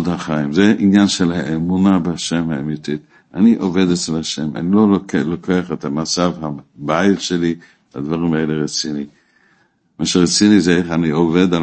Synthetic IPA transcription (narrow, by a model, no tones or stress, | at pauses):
dhaχaimzeʔinjanʃelhaʔemunabehaʃemhaemit̪it̪ | aniʔove̞d̪et͡slaʃema̰nilo̞lokeaχet̪hamat͡savɦabaitʃeli | lad̪vaʁimaeleʁet͡sini | maʃeʁet͡sinizeeχaniove̞d̪a